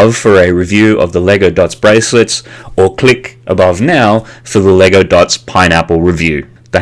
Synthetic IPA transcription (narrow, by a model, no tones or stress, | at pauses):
v̥fə˞ɨɹɨvjʉʔʌ̰vðəlɛɡoʊdɑtsb̥ɹeɪsɪtsə˞kʰl̥ɪkʔəbʌvnaʊfə˞ðəlɛɡoʊdɑtspʰãɪ̃ñæpl̩ˠɹɨvjʉ | ðɨ